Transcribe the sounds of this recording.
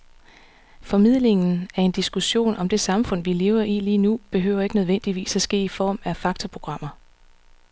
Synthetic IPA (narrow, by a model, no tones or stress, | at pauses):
fɒ̽mið̰ˠle̝ŋn̩æɐe̝nd̥isɡ̥uɕo̝̰ːnʔɒ̽md̥e̝sɑ̈mfɔ̽n̰ʋile̝ːʊɐʔiːliːnub̥e̝ɦø̰ʊ̰ɐe̝ɡ̥ənøð̞ˠʋen̰d̥iʋḭːsæsɡ̥e̝̰ːifɒ̰ːmæfɑ̈ɡ̥̚t͡sʰɒpʰʁo̝ɡ̥ʁɑ̈m̰ɐ